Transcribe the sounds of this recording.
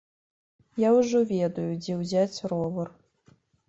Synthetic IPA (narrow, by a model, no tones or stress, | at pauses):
jawʐɔvʲɛd̪ujud͡zʲɛwzʲat͡sʲrɔvɐr